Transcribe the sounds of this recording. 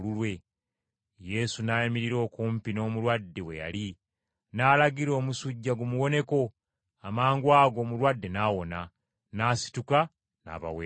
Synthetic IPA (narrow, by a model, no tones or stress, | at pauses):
lulwe̞ | je̞sunaːjamiɾiɾo̞ːkuːmpino̞ːmuɾwadːe̞we̞̰ja̰li | naːlaɡiɾo̞ːmusuɟːaɡumuwo̞ne̞ko̞ | amaːŋɡwaːɡo̞ːmuɾwadːe̞naːwo̞na | naːsi̥tuka | na̰ːβa̰weː